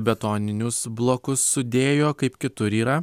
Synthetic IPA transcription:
bʲɛt̪oːnʲɪnʲʊsblˠoːkʊsːʊd̪ʲeːjoːkɐɪpkʲɪt̪ʊɾiːɾɐ

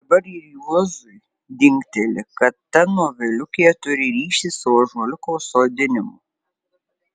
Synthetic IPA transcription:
d̪ɐbɐɾiːɾjuɔzʊj | d̪ʲɪŋʲkt̪ʲɛlʲɪkɐt̪t̪ɐnoːʋʲɛlʲʊkʲejɛt̪ʊɾʲɪɾʲiːʃʲisoʒoːlʲɪkoːsoːd̪ʲɪnʲɪmʊ̰

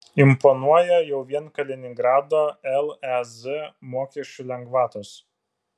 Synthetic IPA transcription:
ɪmpɔnuɔjɛjɛʊʋʲiɛnkɐlʲɛnʲɪŋɡɾɑːd̪oːɛlˠɛzɪmoːkʲɛʃʲt͡ʃʲʊlʲɛŋɡʋɑːt̪oːs

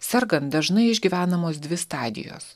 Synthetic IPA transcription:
sʲɛɾɡɐnt̪d̪ɐʒnɐɪɪʒʲɡʲiːʋʲæːnɐmoːsd̪ʲʋʲɪst̪ɑːd̪ʲɪ̰jo̰ːs

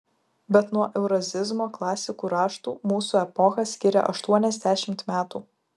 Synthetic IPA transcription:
bʲɛt̪nuɔʔɛʊɾɐzʲɪzmoːklˠɑːsʲɪkuːɾɑːʃt̪uːmuːsuːɛpɔxɐsʲkʲɪɾʲɛ̰ʔɐʃt̪uɔnʲɛzʲd̪ʲæːʃʲɪmt̪mʲæːt̪uː

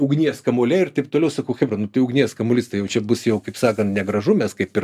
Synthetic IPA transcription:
ʊɡnʲiɛskɐmoːlʲɛɪrt̪ɐɪp̚t̪oːlʲɛʊsɐkɐʊxʲɛbɾɐnʊt̪ɐɪʊɡnʲiɛskɐmoːlʲɪst̪ɐɪjɛʊt͡ʃʲɛbʊsjɛʊkɐɪpsɑːkɐnt̪nʲɛɡɾɐʒʊmʲɛskɐɪpɪr

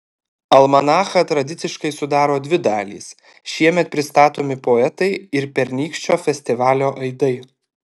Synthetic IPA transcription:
ɐlˠmɐnɑːxɐt̪ɾɐd̪ʲɪt̪sʲɪʃkɐɪsʊd̪ɑːɾoːd̪ʲʋʲɪd̪ɑːlʲḭːs | ʃʲiɛmʲɛt̪̚pʲɾʲɪst̪ɑːt̪oːmʲɪpoɛt̪ɐɪɪɾpʲɛɾnʲiːkʃʲt͡ʃʲoːfʲɛsʲt̪ʲɪʋɑːlʲoːʔɐɪd̪ɐɪ

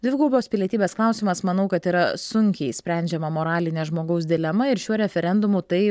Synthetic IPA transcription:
d̪ʲʋʲɪɡuːbʲoːspʲɪlʲiɛt̪ʲiːbʲeːsklˠɑˑʊsʲiːmɐsmɐnɐʊkɐt̪iːɾɐsʊŋʲkʲɛɪsʲpʲɾʲɛnʲd͡ʒʲɛmɐmoːɾɑːlʲɪnʲɛːʒmoːɡɐʊs̬d̪ʲɪlʲɛmɐɪɾʃʲuɔɾʲɛfʲɛɾʲɛnd̪ʊmʊt̪ɐɪ

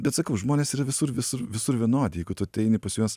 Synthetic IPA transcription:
bʲɛt̪sɐkɐʊʒmoːnʲeːsiːɾɐʋʲɪsʊɾʋʲɪsʊɾʋʲɪsʊɾʋʲiɛnoːd̪ʲɪjɛɪɡʊt̪ʊɐt̪ʲɛɪnʲɪpɐsʲuɔs

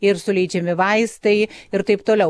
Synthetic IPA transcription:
ɪɾsʊlʲɛɪd͡ʒʲɛmʲɪʋɐɪst̪ɐɪɪɾt̪ɐɪpt̪oːlʲɛʊ

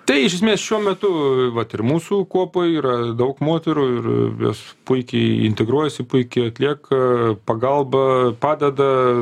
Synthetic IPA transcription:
t̪ɐɪɪʃʲɛsmʲeːsʃʲuɔmʲɛt̪ʊʋɐt̪ɪrmuːsukuɔpojiːɾɐd̪ɐʊkmoːt̪ʲɛɾuːɪrjo̰ːspʊɪkʲɛɪɪ̰nʲt̪ʲɛɡɾuɔjɛsʲɪpʊɪkʲɛɪɐt̪ʲlʲiɛkɐpɐɡɐlˠbɐpɑːd̪ʲɛd̪ɐ

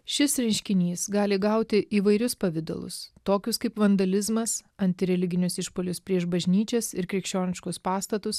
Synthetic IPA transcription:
ʃʲɪsɾʲɛnʲʃʲkʲɪnʲiːsɡɑːlʲɪɡɐʊt̪ʲɪʔiːʋɐɪɾʲʊspɐʋʲɪd̪o̰lˠʊ̰st̪oːkʲʊskɐɪpʋɐnd̪ɐlʲɪzmɐsɐnʲt̪ʲɪɾʲɛlʲɪɡʲɪnʲʊsɪʃpoːlʲʊspʲɾʲiɛʃbɐʒʲnʲiːt͡ʃʲɛsɪɾkɾʲɛkʃʲt͡ʃʲoːnʲɪʃkʊspɑːst̪ɐt̪ʊs

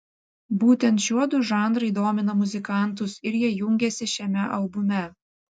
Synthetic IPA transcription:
buːt̪ʲɛnt̪ʃʲuɔd̪ʊʒɑˑnd̪ɾɐɪd̪oːmʲɪnɐmʊzʲɪkɑˑnˑt̪ʊsɪɾjiɛjʊŋʲɡʲɛsʲɪʃʲɛmʲɛʔɐlˠbʊmʲɛ

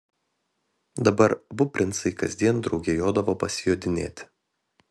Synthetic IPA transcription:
d̪ɐbɐɾbʊpʲɾʲɪnsɐɪkɐzʲd̪ʲiɛnd̪ɾɒʊɡʲeːjoːd̪ɐʋoːpɐsʲɪjoːd̪ʲɪnʲḛːt̪ʲ

